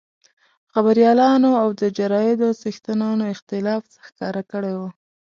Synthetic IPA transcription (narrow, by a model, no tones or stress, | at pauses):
xabaɾjɑlɑnoawd̪əd͡ʒaɾɑjɪd̪osixt̪ənɑnoɪxt̪ɪlɑfsə̥xkɑɾakəɽejwu